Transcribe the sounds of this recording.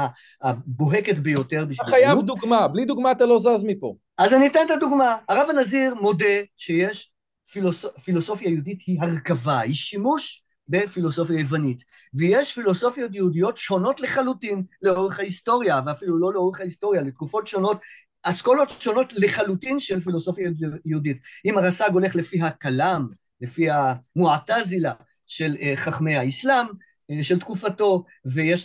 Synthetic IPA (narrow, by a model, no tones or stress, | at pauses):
a | abo̞ɦe̞ketbejo̞te̞ʁbiʃaajavd̪uɡmablid̪uɡmaːt̪alo̞zazmipo̰ | azanit̪antad̪uɡmaaʁavanaziʁmo̞de̞ʃe̞je̞ʃ | filosofilo̞so̞fjajudithiɦaʁkavahiʃimuʃ | be̞filo̞so̞fjajevanit | vejeʃfilo̞so̞fjo̞t̬jɛudijo̞tʃo̞no̞tle̞χalutinle̞o̞ʁeχhaisto̞ʁjaveafilulo̞leo̞ʁeχhaisto̞ʁjalet̚kufo̞tʃo̞no̞t | askolo̞tʃo̞no̞tleχalutinʃe̞lfilo̞so̞fjajeuditimaʁasaɡo̞le̞χle̞fiɦakalam | le̞fihamuatazila | ʃe̞lχaχme̞jhaislam | ʃeltkufato̞ | vejeʃ